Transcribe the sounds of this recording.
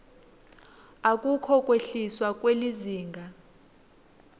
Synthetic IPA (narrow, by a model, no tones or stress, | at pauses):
ak̬ʼukʰɔkʼweɬiswak̬ʼweliziːŋɡʱa